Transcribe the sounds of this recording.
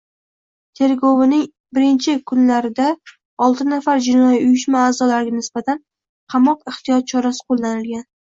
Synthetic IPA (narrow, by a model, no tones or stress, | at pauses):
t̪ʰe̞ɾɡovɪnɪŋ | bɪɾɪnt͡ʃʰɪkʰʊnlaɾɪd̪a | ɒlˠt̪ʰɪnafaɾd͡ʒɪnɒjiʊjɪʃmaːzɒlaɾɪɡʲanɪsbat̪ʰan | qʰɑmɒqɪht̪ʰɪjɒt̪̚t͡ʃʰɒɾasɪ̥qʰolˠːanɪlɡʲan